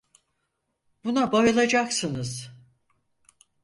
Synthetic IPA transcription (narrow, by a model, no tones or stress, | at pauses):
bunabajɯlˠad͡ʒaksɯnɯz̥